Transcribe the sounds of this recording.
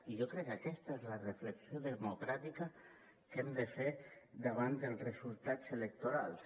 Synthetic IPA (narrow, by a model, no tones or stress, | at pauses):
iʒokɾɛkːakɛst̪əezlarefləksioðəmukɾat̪ika | kɛmd̪əfed̪aβ̞and̪əlˠzrezulˠt̪at͡selek̚t̪oɾalˠs